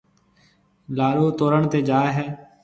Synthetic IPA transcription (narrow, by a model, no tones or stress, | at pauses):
laːɾoːt̪oːɾəɳt̪eːd͡ʒaːeɦɛː